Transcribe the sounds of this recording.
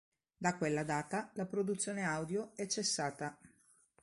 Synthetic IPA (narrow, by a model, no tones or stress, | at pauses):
d̪akːwelːad̪aːt̪alapɾod̪ut̪sːjoːneawd̪joɛt͡ʃːesːaːt̪a